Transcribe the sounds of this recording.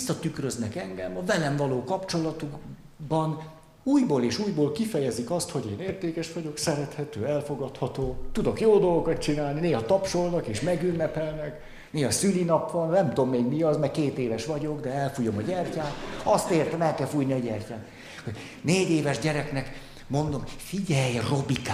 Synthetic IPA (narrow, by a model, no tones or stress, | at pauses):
sːɒt̪ykrøznɛkɛŋɡɛmɒvɛlɛɱvɒloːkɒpt͡ʃo̞lɒt̪uɡbɒn | uːjboːleːʃuːjboːlkifɛjɛzikɒst̪ho̞ɟeːneːrt̪eːkɛʃʋɒɟo̞ksɛɾɛt̪hɛt̪øːɛlfo̞ɡɒt̪hɒt̪oːt̪ud̪o̞kjoːd̪olɡokɒt̪̚t͡ʃinaːlnineːɦɒt̪ɒpʃo̞lnɒkeːʃmɛɡynːɛpɛlnɛk | neːɦɒsylinɒpʋɒnnɛmt̪o̞mːeːɡmiɒzmɛrkeːt̪eːvɛʃʋɒɟo̞ɡd̪ɛɛlfujo̞mɒɟɛrcaːt̪ɒst̪eːrt̪ɛmɛlkɛlfujniɒɟɛrcaːt̪ | hoɟ | neːɟeːvɛʒɟɛɾɛknɛk | mo̞nd̪o̞mfiɟɛjro̞bika